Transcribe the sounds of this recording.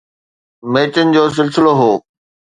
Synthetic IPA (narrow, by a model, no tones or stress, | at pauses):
meːt͡ɕənɪ̆d͡ʑoːs̬ɪlsɪloɦoː